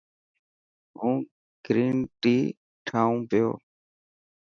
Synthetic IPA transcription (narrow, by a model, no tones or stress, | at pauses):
ɦũː | ɡ̥ɾiːnʈiː | ʈʰaːũːpɪjo̰ː